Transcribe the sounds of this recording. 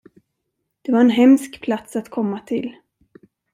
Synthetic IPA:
d̪̥ɛvaɾɛnɦɛmskpʰlat̪sat̪kʰɔmːat̪ʰɪl

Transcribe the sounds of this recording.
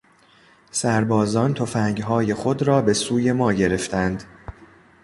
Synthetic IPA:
sæɾbɒːzɒːnt̪ʰo̞fæŋɡɦɒːje̞xod̪ɾɒːbe̞suːje̞mɒːɟe̞ɾe̞ft̪ʰænd̪

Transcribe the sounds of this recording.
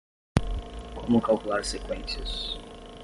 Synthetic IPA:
kʰomʊkalkulaɾsekwẽnsiɐs

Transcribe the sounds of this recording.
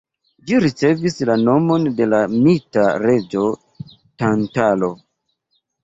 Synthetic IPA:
d͡ʒiɾit͡se̞vislano̞mo̞nde̞lamitaɾe̞d͡ʒo̞ | tantalo̞

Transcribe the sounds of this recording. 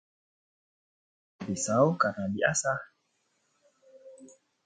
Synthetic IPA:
bisawkarnadiʔasa

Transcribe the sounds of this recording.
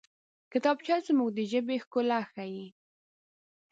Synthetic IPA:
kɪt̪ɑbt͡ʃɑzmuɡd̪əʒəbexkolaxaji

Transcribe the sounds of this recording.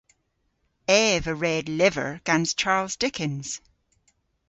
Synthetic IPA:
ɛːvəɹɛdlɪvə̰˞ɡ̥ãnst͡ʃʰaɹlˠzdɪkʰɪ̃nz̥

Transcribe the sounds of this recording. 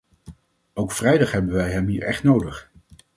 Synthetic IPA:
owkfrɛjdɑχɦɛbənʋɛjɦɛmɦiːɹɛχtnowdəχ

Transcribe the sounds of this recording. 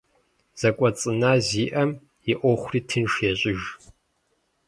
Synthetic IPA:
z̥ɐkʷʼɔt͡sʼɨnaːziːʔɐm | jɪʔʷɔχʷriːtʰɨnʂjɛɕʼɪʒ

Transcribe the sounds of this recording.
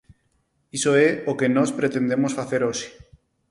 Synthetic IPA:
isoeokenospɾet̪e̞nd̪emosfaθe̞ɾosi̥

